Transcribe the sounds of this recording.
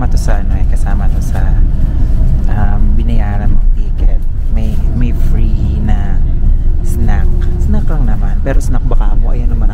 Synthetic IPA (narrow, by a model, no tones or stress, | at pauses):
mɐt̪osɐʔɐnoɛkɐsaːmɐt̪o̞sɐ | ʔɐmbɪnɐjaːɾɐnmɐɡ̚t̪iːkɛt̪̚ | mɐjmɐjfɾinɐ | snak̚snaklɐŋnɐmanpɛːɾosnɐk̚bɐkaːmoʔɐ̰jonlɐmɐn